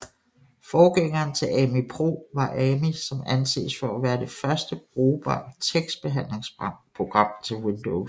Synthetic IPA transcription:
fɒːɡ̥eŋɐːnt͡sʰe̝lɛmipʰʁo̝̰ːʋɑ̈ʔɛmisɒ̽mænsḛːsfɒæʋæːɐd̥e̝fɶɐsd̥əɡ̥ʁoːb̥ɑt͡sʰeɡ̥s̚b̥e̝ɦæn̰le̝ŋspʰo̝ɡ̥ʁɑ̈m̰t͡sʰe̝lwend̥oʊ

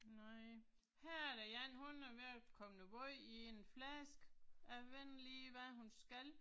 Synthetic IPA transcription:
naɪ | hæɐ̰æɐɾæjænhunæɐʋeɐkʰɒ̽mnəbɔɪie̝nflæsɡ̥æʋenliːʋæɦunsɡ̥æl

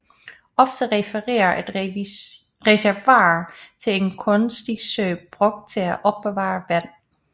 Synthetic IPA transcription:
ʔɒ̽fd̥əʁɛfəʁḛːɐʔed̥ | ʁɛsæɐʋɑ̰̈ːt͡sʰe̝le̝nkʰɔ̽nsd̥isøːb̥ʁɔ̽ɡ̥̚d̥̚t͡sʰe̝læʔɒ̽b̥̚ːe̝ʋɑ̰̈ːʋæn̰

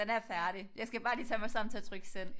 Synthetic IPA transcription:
enæɐfæɐɾ̥ijɑ̈ɪsɡ̥æb̥ɑ̈ːliːt͡sʰæmɑ̈ɪsɑ̈m̰n̩t͡sʰe̝æɐt͡sʰʁœɡ̥sel̰

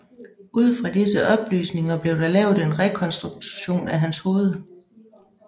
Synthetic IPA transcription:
uð̞̰ˠfʁɑ̈d̥isəʔɒ̽b̥ly̰ːsne̝ŋɐb̥le̝ʊd̥ɑ̈lɛʊðˠe̝nʁɛkʰɒ̽nsd̥ʁuɡ̥̚ɕo̝̰ːnæɦænsho̝ːð̞ˠ

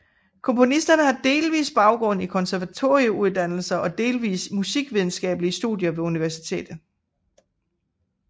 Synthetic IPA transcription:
kʰɒ̽mpʰo̝nisd̥ɐnəhɑ̈d̥e̝ːlʋḭːsb̥ɑ̈ʊɡ̥ʁɔ̽n̰ikʰɒ̽nsæɐʋæt͡sʰo̝̰ːiəuð̞̩ˠd̥æn̰l̩sɐʔɒ̽d̥e̝ːlʋḭːsmusiɡ̥ʋið̞ˠn̩sɡ̥ɛ̰ːb̥əlisd̥ṵðˠjɐʋe̝uniʋæɐsi̥t͡sʰe̝̰ːd̥ð̩ˠ

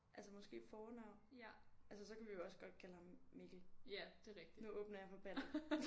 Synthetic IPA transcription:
ʔælsəmɒ̽sɡ̥e̝̰ːfɒːnɑ̈ʊ̰nʔæls̬əsɒ̽kæʋijo̝ɒ̽sɡ̥ɒ̽d̥̚kʰælhɑ̈mːe̝ɡ̥l̩æd̥e̝ʁɛɡ̥̚d̥inuɔ̽ːb̥nɐjɑ̈fɒ̽b̥ænð̩ˠ

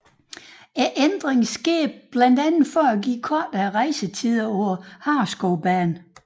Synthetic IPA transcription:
eʔend̥ʁeŋsɡ̥eɐb̥lænd̥ænð̩ˠfɒæɡḭːkʰɒːd̥æʁɑ̈ɪsət͡sʰið̰ˠɐɒʊɐhɑ̈ːsɡ̥oʊb̥æːn

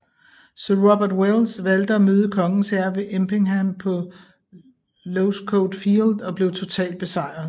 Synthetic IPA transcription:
søɐʁɒb̥æɐd̥welsʋæld̥əæmøːð̞ˠəkʰɒ̽ŋn̩sæɐʋe̝ʔemb̥e̝ŋhæmpʰɒ̽ | loʊskʰoʊd̥fild̥ɒ̽b̥le̝ʊt͡sʰo̝t͡sʰɛ̰ːld̚b̥e̝sɑ̈ɪ̰ɐð̩ˠ

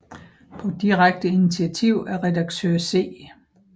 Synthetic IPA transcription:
pʰɒ̽d̥iʁaɡ̥̚d̥əinit͡sʰiæt͡sʰiʊ̰æɐʁɛd̥ɑ̈ɡ̥t͡sʰøɐ̰se̝̰ː

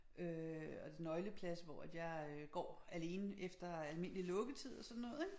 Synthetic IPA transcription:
ʔøɒd̥enːɒ̽ɪləpʰlæsʋɒ̰æd̥jɑ̈ɪɡ̥ɒ̰ːæle̝ːnəefd̥ɐælme̝n̰lilɔ̽ɡ̥ət͡sʰið̰ˠɒ̽sɒ̽nːɔ̽ːð̞̩ˠeɡ̥

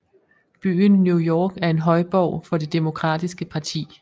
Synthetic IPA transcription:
b̥y̰ːnːjujɒːɡ̥æɐe̝nɦɒ̽ɪb̥ɒʊ̰fɒ̽d̥e̝d̥emo̝kʰʁɑ̰̈ːd̥isɡ̥əpʰɑ̈t͡sʰḭː

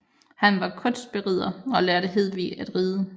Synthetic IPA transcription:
hænʋɑ̈kʰɔ̽nsd̥̚b̥e̝ʁið̰ˠɐɒ̽lɛɐɾəɦe̝ð̞̰ˠʋḭːæd̥ʁiːðˠə

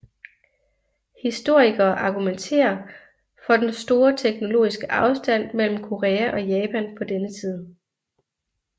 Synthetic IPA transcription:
hisd̥o̝ɐ̰iɡ̥ɐːʔɑ̈ɡ̥ument͡sʰe̝̰ːɐ | fɒ̽d̥ensd̥o̝ːɐt͡sʰeɡ̥no̝lo̝̰ːisɡ̥əʔɑ̈ʊsd̥æn̰mel̰m̩kʰo̝ʁeːæʔɒ̽jɛːpʰænpʰɒ̽d̥enət͡sʰiːð̞ˠ

